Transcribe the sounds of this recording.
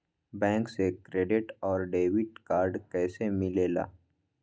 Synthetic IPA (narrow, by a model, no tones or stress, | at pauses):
bɛ̃ːŋksekɾeːɖɪʈɔːɾɖeːʋɪʈkaːɾɖkɛːsemɪleːla̰ː